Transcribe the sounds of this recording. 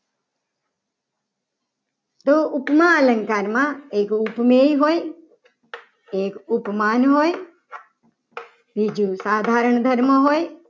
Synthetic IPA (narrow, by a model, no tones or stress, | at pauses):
t̪oʊpmãːləŋkaːɾmãeːkupmeiɦoːj | ekupmaːnɦoːj | bʱid͡ʒusaːd̪ʱaːɾəɳd̪ʱəɾməɦoːj